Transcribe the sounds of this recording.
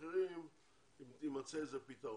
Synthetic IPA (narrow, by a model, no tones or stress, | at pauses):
eʁim | imat͡sezapit̪a